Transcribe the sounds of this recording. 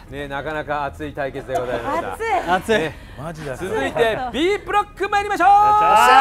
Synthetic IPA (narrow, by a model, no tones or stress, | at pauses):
ne̞nakanakaːt͡sɨit̪aike̞t͡sɨd̪e̞ɡo̞zaimast̪a̰e | aiet͡sɨzɨit̪e̞bʲiːbɯ̟ɾo̞kːɯmajaɾʲimaɕoː